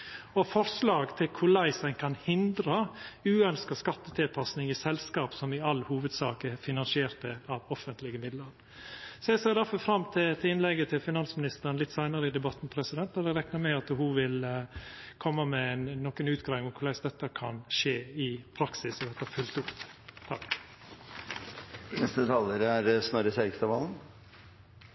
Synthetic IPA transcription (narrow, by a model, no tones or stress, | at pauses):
ɔfɔɾʂlɑːɡt̪ʰɪlkʰʊɾɭæɪsæɪnkʰɑnhɪnd̪ɾəʉːœnskəskɑt̪ːət̪ʰɪlpʰɑsnɪŋɪsɛlskɑːpsɔmɪɑlːhuːʋəd̪sɑːkəfɪnɑnsɪeːɾt̪əɑʋɔfənt̪lɪɡəmɪd̪ləɾ | sɔɛɪseːɾd̪æɾfɔfɾɑmːt̪ʰɪt̪ʰɪɪnlɛɡət̪ʰɪlfɪnɑnsmɪnɪst̪əɾənlɪt̪ːsæɪnəɾəɪd̪ɛbɑt̪ːn̩pʰɾɛsɪd̪ɛnt̪ːɔd̪ɛɾɛknəmɛɡɑt̪hʊʋɪl | kʰɔmːəmɛnːɔkːənʉːt̪ɡɾɑːɪŋmʊkʰʊlæɪsd̪ɛt̪ːəkʰɑnʂeːɪpʰɾɑksɪsɔd̪ɛt̪ːəfʉlt̪ut̪t̪ʰɑ̰k | nɛst̪ət̪ʰɑləɾæɾsnɔɾəsɛɾɡst̪ɑʋɑ̰ln̩